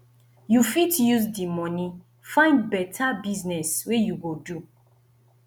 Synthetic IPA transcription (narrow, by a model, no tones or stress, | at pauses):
jufitjuzdimɔni | fãɪ̃ndbɛtʰabiznɛswejuɡodu